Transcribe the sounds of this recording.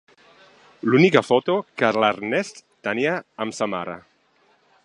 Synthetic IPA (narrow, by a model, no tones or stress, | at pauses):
lunikafot̪okaɾlaɾnest̪t̪aniaːmsama̰ɾa̰